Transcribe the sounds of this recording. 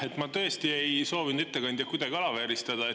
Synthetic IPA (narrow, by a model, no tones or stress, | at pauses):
e̞t̪ːˑmɑt̪ɤ̞est̪ie̞jso̞ːvinud̪et̪ːe̞kɑnʲd̪̥jɑkujd̪ɑɡ̥ʲiɑlɑveɾist̪ɑd̪ɑe